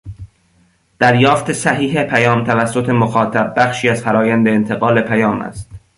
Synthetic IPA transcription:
d̪̥æɾjɒːft̪e̞sæɦiːɦepʰæjɒːmt̪ʰævæsːot̪ʰe̞moxɒːt̪ʰæb̚ːæxʃiːæzfæɾɒːjænd̪eːnt̪ʰeɣɒːle̞pʰæjɒːmæ̰st̪

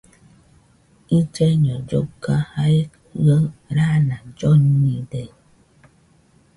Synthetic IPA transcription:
id͡ʒɛɲɔd͡ʒo̰kaha | ɡəɾanad͡ʒɔɲidɛ

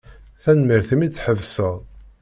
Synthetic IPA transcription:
θænmiɾθimiθħəvsəʁ

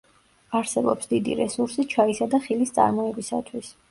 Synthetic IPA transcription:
aɾsɛbɔpsd̪id̪ḭɾɛsuɾsit͡ʃʰaisad̪aχilist̪sʼa̰ɾmɔɛbisa̰t̪ʰwis

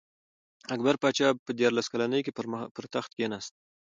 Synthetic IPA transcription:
akbaɾpɑt͡ʃɑpəd̪jɑɾlaskalanəjkepəɾt̪axt̪̚ɡenast̪̚

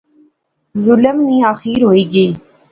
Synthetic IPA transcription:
zʊləmniːaːxiːɾɦoːiːɡəiː

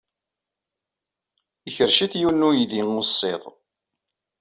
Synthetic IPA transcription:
içəɾʃiθjunːujiðiŋosˤːeðˤ

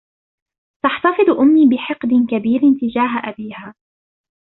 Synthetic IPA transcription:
t̪aħt̪ɑfɨd̪ˤʔʊmːiːbɪħɪqd̪ɪnkabiːɾɪnt̪ɪd͡ʒaːɦaʔabiːhaː

